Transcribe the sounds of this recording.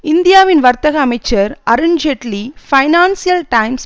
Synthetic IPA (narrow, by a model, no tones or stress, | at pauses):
ɪnd̪ɪjaːʋɪnʋɐɾt̪ɐɣɐɐmɐɪt͡ʃːɐɾɐɾɪɲd͡ʒeʈlifɐɪnaːnsijɐlʈɐɪms